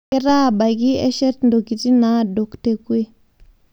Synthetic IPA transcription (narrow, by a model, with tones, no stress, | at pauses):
ɛ˦ɾa˦˨ba˨ɡi˦ɛ˦ʃɛ˦tndo˨ki˨ti˦na˨˦do˨kte˦kwe˦